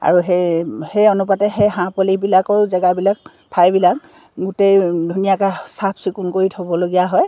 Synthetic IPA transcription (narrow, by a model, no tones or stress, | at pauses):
a̰ɹuɦehejonupatɛxeɦãpɔlibilakɔɹzɛɡabilak̚ | tʰajbilak̚ | ɡutejdʱunijakasap̚ʰsikunkoɹitʰobɔloɡijaɦɔj